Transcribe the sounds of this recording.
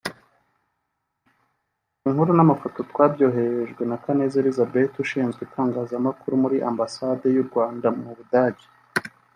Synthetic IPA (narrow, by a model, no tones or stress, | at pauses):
iŋhuɾunamafoto̞twabɟo̞ːɦe̞ɾeʒɡwe̞nakane̞zeɾizabe̞tuʃiːnzɡetʰaːŋɡaːzamakuɾumuɾiʔambasade̞juɾɡwaːndamuβudaɟi̥